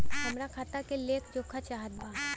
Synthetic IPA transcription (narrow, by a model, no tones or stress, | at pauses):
kɐmɾakʰaːt̪akeleːkʰd͡ʒoːkʰat͡ʃaːɦət̪bãː